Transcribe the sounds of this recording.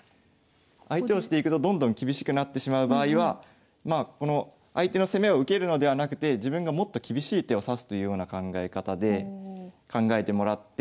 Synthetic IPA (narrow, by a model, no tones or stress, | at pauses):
ait̪e̞o̞ɕi̥t̪e̞ikɯ̟t̪o̞d̪õ̞nd̪õ̞ŋkʲibʲiɕi̥kɯ̟nat̪ːe̞ɕimaɯ̟baːiβ̞a | mako̞no̞ | ait̪e̞no̞se̞me̞o̞ɯ̟ke̞ɾɯ̟no̞d̪e̞β̞anakɯ̟̥t̪e̞ʑibɯ̟̃ŋɡamo̞t̪ːo̞kʲibʲiɕiːt̪e̞o̞sasɨ̥t̪o̞jɯ̟jo̞ːnakãŋɡae̞kat̪ad̪e̞ | kãŋɡae̞t̪e̞mo̞ɾat̪ːe